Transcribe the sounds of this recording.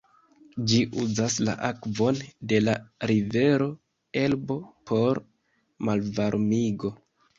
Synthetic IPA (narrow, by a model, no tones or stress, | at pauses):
d͡ʒiʔuzasla̰ʔakvo̞nde̞laɾive̞ɾo̞ | e̞lbo̞pʰo̞ɾ | malvaɾmiɡo̞